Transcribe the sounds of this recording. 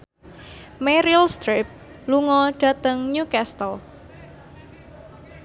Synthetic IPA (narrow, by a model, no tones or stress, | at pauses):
mɛɾilst̪ɾip̚ | luŋɔɖ̥ä̤t̪əŋɲukɛst̪əl